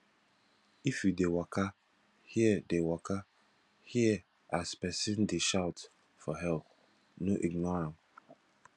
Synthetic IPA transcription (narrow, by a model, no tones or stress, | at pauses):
ifjudewaka | hiədewakʰa | hiə | aspɛsɪ̃ndeʃaʊt | fɔɦɛlp̚ | noʔiɡnɔɹãn